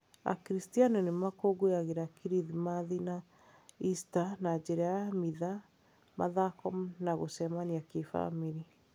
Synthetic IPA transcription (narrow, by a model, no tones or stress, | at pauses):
a̰kɾistianɛnemakoɡojaɣeɾakiɾiðimaðina | istanad͡ʒeɾɛamiða | ma̰ðakɔmnaɣosɛmaniakefa̰miɾi